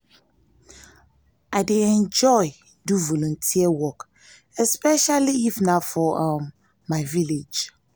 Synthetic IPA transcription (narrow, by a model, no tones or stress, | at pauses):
aɪdeɛ̃nd͡ʒɔɪ | duvɔlɔ̃ntʰiəwɔk | ɛspɛʃaliifnafɔʔamː | aɪviled͡ʒ